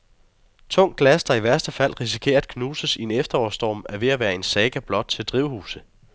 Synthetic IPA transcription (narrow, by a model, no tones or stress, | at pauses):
t͡sʰɔ̽ŋ̰ɡ̥læsd̥ɑ̈iʋæɐsd̥əfæl̰ʁis̬i̥kʰe̝̰ːɐd̥̚kʰnuːsəsie̝nefd̥ɐɒ̰sd̥ɒ̰ːmæɐʋe̝æʋæːɐe̝nsɛːɡ̥æb̥lɒ̽d̥̚t͡sʰe̝ld̥ʁiʊhṵːsə